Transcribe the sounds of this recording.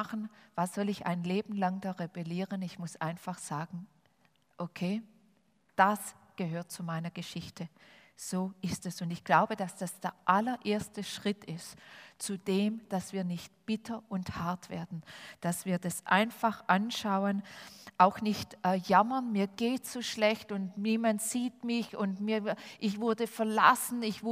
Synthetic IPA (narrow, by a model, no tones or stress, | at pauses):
χn̩vasz̥ɔlɪça̰ɪnleːbm̩laŋdaʁebɛliːʁənɪçmʊsʔa̰ɪnfaχz̥aːɡŋ̩ | ʔokʰeː | d̥asɡ̥əɦøːɐt̚t͡sumaɪnɐɡ̥əʃɪçtʰəz̥oːʔɪstɛsʊntɪçɡ̥laʊbəd̥asd̥asd̥eːɐʔalɐʔeːɐstəʃʁ̥ɪtʰɪstt͡sudeːmd̥asv̥iːɐnɪçt̚b̥ɪtʰɐʔʊnthaɐtv̥ḛːɐdn̩d̥asv̥iːɐdasʔa̰ɪnfaχʔanʃaʊənʔaʊxnɪçtʔɛjamɐnmiːɐɡ̥eːtsoːʃlɛçtʊntniːmantz̥iːtmɪçʊntmiːɐʔɪçv̥ʊɐdəfɛɐla̰sn̩ɪçvʊ